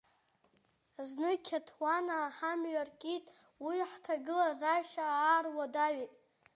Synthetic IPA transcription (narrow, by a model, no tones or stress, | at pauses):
znɨkʲʰatʰwanaːħamɥarkʼitʼ | wiħtʰaɡɨlazaʃaːrwadaɥejtʼ